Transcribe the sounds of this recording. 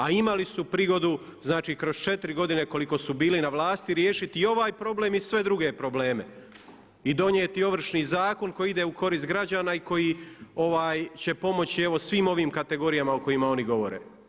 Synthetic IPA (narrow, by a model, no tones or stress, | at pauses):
aimalisupɾiɡo̞d̪u | znaːt͡ʃiːkɾo̞zt͡ʃe̞t̪iɾiɡo̞d̪ine̞ko̞likosubiːlinaʋlaːst̪iɾje̞ːʃit̪io̞ʋaːjpɾo̞ble̞misʋe̞d̪ɾuɡe̞pɾo̞ble̞ːme̞ | id̪o̞ɲjeːt̪io̞ʋr̩ʃniːzaːko̞nko̞jid̪eːuko̞ɾiːst̪̚ɡɾad͡ʑaːnaiko̞jio̞ʋaːjt͡ɕe̞po̞mo̞t͡ɕie̞ʋo̞sʋiːmo̞ʋiːmkat̪e̞ɡo̞ɾijamaoko̞jimao̞niɡo̞ʋo̞̰ɾḛː